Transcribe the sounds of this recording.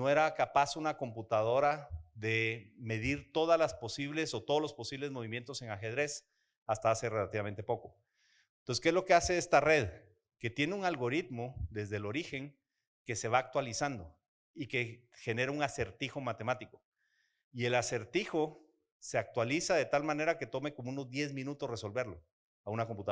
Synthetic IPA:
noe̞ɾakapasunako̞mput̪að̞o̞ɾaðe̞me̞ðiɾt̪o̞ðazlaspo̞siβle̞so̞t̪oðolo̞spo̞siβle̞zmo̞β̞imje̞nt̪o̞se̞ŋaxe̞ðɾe̞s | ast̪aase̞re̞lat̪iβame̞nt̪e̞poko̞ | noseskezlo̞ke̞ase̞est̪are̞ð | ke̞t̪jeneuŋalɣo̞ɾit̪mo̞ðe̞zðelo̞ɾixe̞ŋ | ke̞se̞βaːk̚t̪walisand̪o̞ | ike̞ | xe̞ne̞ɾauŋase̞ɾt̪ixo̞mat̪e̞mat̪iko̞ | ie̞lase̞ɾt̪ixo̞ | se̞ak̚t̪walisaðe̞t̪almãne̞ɾake̞t̪o̞me̞ko̞mouno̞zd̪je̞zmĩnut̪o̞sreso̞lbe̞ɾlo̞ | aunakomput̪a

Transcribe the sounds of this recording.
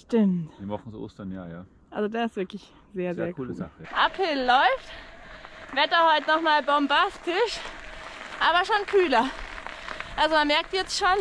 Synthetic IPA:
ʃtɪmtːmɔχn̩sʔo̰ːstɐnja̰ːja̰ː | ʔalzodaːɪstv̥ɪɐklɪç | z̥eːɐzeːɐɡuːləza̰əʔapʰɪlːɔʏft | vɛtɐhɔʏtənɔχmaːlbɔmbastɪʃ | ʔaːbɐʃoːnkʰyːlɐ | ʔalzomanmɛɐk̚tjɛt͡stʃoːn

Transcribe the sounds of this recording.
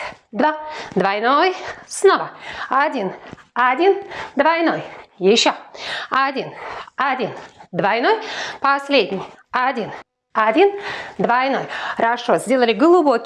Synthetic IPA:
d̪vad̪vɐjnojsnovəɐdʲinɐdʲind̪vɐjno̞jjɪɕːoɐdʲinɐdʲind̪vɐjno̞jpɐsʲlʲedʲnʲɪj | ɐdʲin | ɐdʲind̪vɐjnojɾɐʂozʲdʲe̞lˠəlʲɪɡlˠʊbokʲ

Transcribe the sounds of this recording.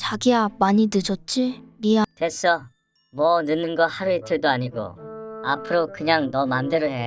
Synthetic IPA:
t͡ɕaɡiamaɲinɯd͡ʑʌt̚t͡ɕ͈iɾiatwes͈ʌ | mʌnɯnːɯnɡʌhaɾuitʰɯɭdoaɲiɡo̰a̰pʰɯɾokɯɲaŋnʌmandeɾoɦe

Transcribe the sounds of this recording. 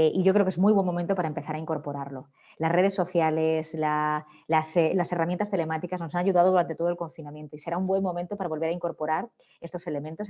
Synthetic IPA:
ʔiʝok̬ɾeoke̞zmujβwe̞mo̞ment̪o̞paɾaempe̞θaɾaiŋko̞ɾpo̞ɾaɾlo̞ | lasre̞ð̞e̞sːo̞θjalesla | laselase̞ramjent̪ast̪e̞le̞mat̪ikazno̞sanaʝuðað̞o̞ðuɾant̪e̞t̪oolko̞ɱfinamje̞nt̪oise̞ɾaumbwe̞mmo̞mẽnt̪o̞paɾaβo̞lβeɾaiŋko̞ɾpo̞ɾaɾ | e̞st̪o̞se̞le̞mẽnt̪o̞s

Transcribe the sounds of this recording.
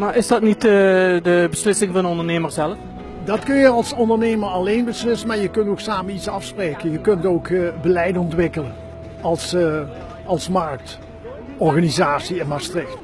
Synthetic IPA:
maːɹʔɪsdɑtnitədəbəslɪsɪŋvɑndənɔndəɹneːməɹzɛləf | dɑtkɵnjəɑlˠsɔndəɹnejməɹɑlejnbəslɪsənmaːɹjəkɵntoksaːmənitsɑfspreːkənjəkɵntoːkbəlɛjdəɔntʋɪkələn | ɑlˠs | ɑlˠsmɑɹk̚t | ɔɹɣaːnizaːtsiɛnmaːɹstrɪkt

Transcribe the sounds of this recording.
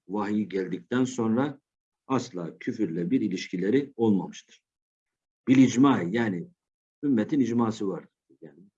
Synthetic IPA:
vaɦijiɟælʲd̪ic̚t̪ʰænso̞nɾa | aslˠaːcʰyfyɾlʲɛbiɾilʲiʃcʰilʲeɾio̞lˠmamɯʃt̪ʰɯ̥ɾ̥ | b̥iɾid͡ʒmajaːni | ymːet̪ʰinid͡ʒmaːsɯvaɾd̪ | jaːni

